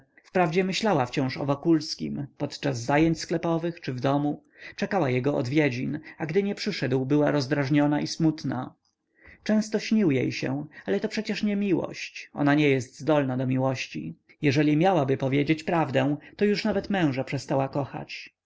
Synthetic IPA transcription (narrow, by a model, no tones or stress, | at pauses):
fpɾavd͡ʑɛmɘɕlawaft͡ɕɔ̃w̃ʂɔ̰vɔkulskʲḭmpɔt̪t͡ʂazːajeɲt͡ɕsklɛpɔvɘxt͡ʂɘvd̪ɔmu | t͡ʂɛkawajɛɡɔʔɔ̰d̪vʲjɛd͡ʑinaɡd̪ɘɲɛpʂɘʂɛd̪wbɘwaɾɔzd̪ɾaʐɲɔnaʔismut̪na̰ | t͡ʂɛ̃w̃st̪ɔɕɲiwjḛjɕɛ̰̃alɛt̪ɔpʂɛt͡ɕɛʂɲɛmʲiwɔ̰ɕt͡ɕɔ̰naɲɛjɛst̪zd̪ɔlnad̪ɔmʲiwɔɕt͡ɕḭ | jɛʐɛlʲimʲjawabɘpɔvʲjed͡ʑet͡ɕpɾavd̪ɛ̃w̃t̪ɔjuʂnavɛt̪mɛ̃w̃ʐapʂɛst̪awakɔxa̰t͡ɕ